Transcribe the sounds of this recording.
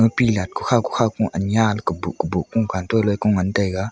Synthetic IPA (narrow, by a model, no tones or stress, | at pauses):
əpilat̚ku̥xʰaku̥xʰakũʔanɲalkəbukəbuʔkuŋkantolojkuŋantəjka